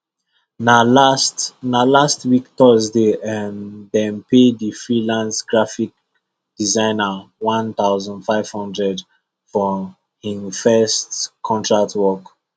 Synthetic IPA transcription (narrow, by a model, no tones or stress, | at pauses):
nalastnalastwiktɔzdemðɛ̃mpedifɹilãnsɡ̥ɹafik̚ | d̥izãɪnawãnt̪aʊzɔ̃ndfaɪv̥hɔ̃ndɹɛd | fɔ | hĩnfɛstkʰɔ̃ntɹak̚twɔk